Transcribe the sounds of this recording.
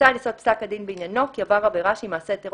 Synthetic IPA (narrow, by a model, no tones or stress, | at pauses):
aliso̞t̪̚psakad̪inbeinjano̞kiavaʁabeʁaʃimaːset̪eʁ